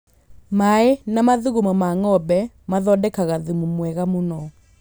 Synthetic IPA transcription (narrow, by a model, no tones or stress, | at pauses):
maenamaðuɣumɔmaŋɔbɛ | maðɔdɛkaɣaðumumwɛɣamonɔ